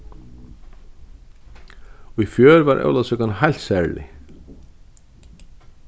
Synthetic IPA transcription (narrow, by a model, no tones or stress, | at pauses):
ifjœːɾvaɾʔœ̰wlaðsɛkɔnhajl̥t̪sɛɹlɪ̰